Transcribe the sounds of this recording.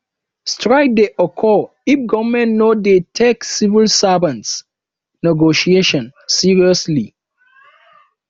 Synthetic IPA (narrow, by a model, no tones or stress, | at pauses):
stɹaɪk̚deʔɔkʰɔ | ifɡɔvmɛ̃nnodetʰeksivilsavãnts | nɛɡoʃieʃɔ̃nsiɹiɔsli